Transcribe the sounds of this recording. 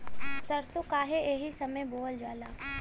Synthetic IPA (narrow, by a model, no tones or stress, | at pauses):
sɐɾsokaːɦeʔeːɦisɐməjboːld͡ʒaːlaː